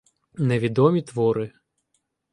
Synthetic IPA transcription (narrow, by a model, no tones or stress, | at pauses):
neʋʲid̪ɔmʲit̪ʋɔɾɪ